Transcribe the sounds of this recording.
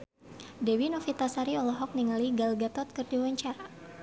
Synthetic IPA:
dɛwinɔfit̪asaɾiɔlɔɦɔk̚niŋaliɡalɡat̪ɔt̪̚kɨrdiwaɲt͡ʃaɾa

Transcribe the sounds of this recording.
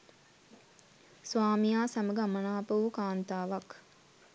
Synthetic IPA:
sʋaːmijaːsaməɡəamanaːpəʋukaːnt̪aːʋak

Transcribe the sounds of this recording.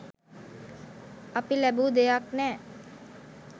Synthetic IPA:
ɐpilɛbud̪ejaknɛ

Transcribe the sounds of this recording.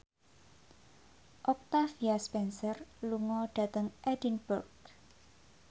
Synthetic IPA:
ʔɔk̚t̪afiaspɛnsərluŋɔɖ̥a̤t̪əŋʔɛdinburɡ

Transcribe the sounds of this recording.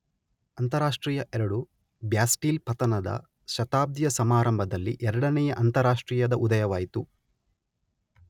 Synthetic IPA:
ɐnt̪ɐɾaːʂʈɾiːjɐʔɛɾɐɽu | bjaːsʈiːlpɐt̪ɐnɐd̪ɐ̰ | ʃɐt̪aːb̚d̪jɐsɐmaːɾɐmbʱɐd̪ɐlːiʔɛɾɐɽɐnɛjɐʔɐnt̪ɐɾaːʂʈɾiːjɐd̪ɐʔud̪ɐjɐʋaːjit̪u

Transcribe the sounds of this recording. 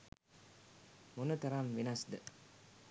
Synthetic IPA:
munət̪ɐɾanʋinasd̪ə

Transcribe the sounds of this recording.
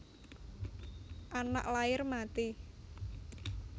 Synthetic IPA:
ʔana̰ʔlaɪrmat̪i

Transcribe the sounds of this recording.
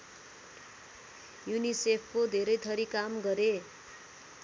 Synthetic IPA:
junisepʰkod̪ʱeɾʌjt̪ʰʌɾikamɡʌɾe

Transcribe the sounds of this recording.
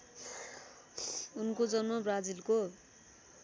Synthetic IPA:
unkod͡zʌnmʌbrad͡zilko

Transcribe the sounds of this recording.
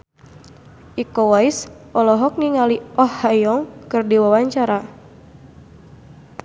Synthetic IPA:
ʔikɔwais | ɔlɔɦɔk̚niŋaliʔɔhːajɔŋkɨrdiwawaɲt͡ʃaɾa

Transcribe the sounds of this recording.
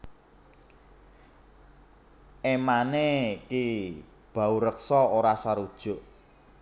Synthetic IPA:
emaneki | b̥a̤uɾəksɔoɾasaɾud̥ʒ̥ʊ̤ʔ

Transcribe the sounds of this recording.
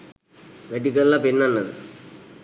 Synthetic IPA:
ʋeʈikːɐllɐpinːɐnːɐðɨ̰

